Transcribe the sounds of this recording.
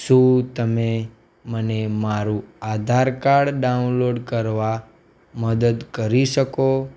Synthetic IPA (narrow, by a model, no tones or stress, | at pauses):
ʃũt̪əme | mənemaɾuad̪ʱaɾkaɾɖɖaunloɖkəɾʋa | məd̪əd̪kəɾiʃəko